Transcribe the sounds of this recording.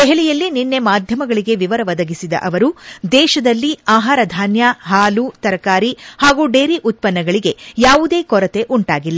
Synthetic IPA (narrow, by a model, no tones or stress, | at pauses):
d̪ɛɦɛɭijɐlːininːe̞maːd̪ʱjɐmɐɡɐɭiɡe̞ʋiʋɐɾɐʋɐd̪ɐɡisid̪ɐ̰ʔɐʋɐɾud̪ɛːʃɐd̪ɐlːiaːɦaːɾɐd̪ʱaːnjɐɦaːlut̪ɐɾɐkaːɾihaːɡuːɖe̞ːɾiʔut̪̚pɐnːɐɡɐɭiɡe̞jaːʋud̪eːkɔɾɐt̪e̞ʔuɳʈaːɡilːɐ